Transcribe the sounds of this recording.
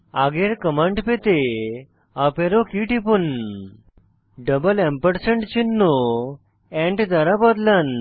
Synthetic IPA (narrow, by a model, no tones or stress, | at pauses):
aɡeɾkəmãɳɖpet̪e | apeɾokiʈipun | ɖəbəlɛ̃mpəɾsəɳʈt͡ɕinːo | ɛ̃ɳʈd͡zaɾabəd̪lən